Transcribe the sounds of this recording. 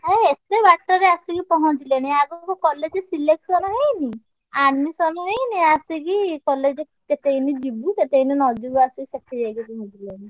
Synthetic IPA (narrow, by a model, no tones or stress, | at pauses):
ɦeet̪ebaʈːɔɾeasikipɔɦɔ̃t͡ʃileɽ̃iaɡɔkukɔled͡ʒesileksɔnaɦejni | anmisɔnɔɦejniasikikɔled͡ʒe | ket̪einid͡ʒibuket̪eininɔd͡ʒuɡuasikisekʰid͡ʒajɡipɔɦɔ̃t͡ʃileɽ̃i